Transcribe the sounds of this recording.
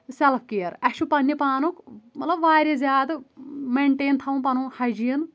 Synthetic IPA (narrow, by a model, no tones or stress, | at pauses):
selpʰkijɐɾɐʃupɐnːjipaːnukmɐt̪lɐbʋaːɾʲezʲjaːd̪ɐmeɳʈeːnt̪ʰɐũpɐnuːhɐjd͡ʒijɐn